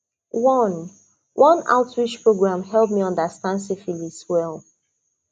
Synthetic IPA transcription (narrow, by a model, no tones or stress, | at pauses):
wʌ̃n | wʔʌ̃na̰ʊtʰɹit͡ʃpʰɹoɡɹãmɦɛlˠdmiʌ̃ndəstãndsifiliswɛlˠ